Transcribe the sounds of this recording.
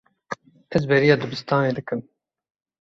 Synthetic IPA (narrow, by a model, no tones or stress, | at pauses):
ɛzbɛɾijɑːd̪ɨbɨst̪ɑːneːd̪ɨkɨm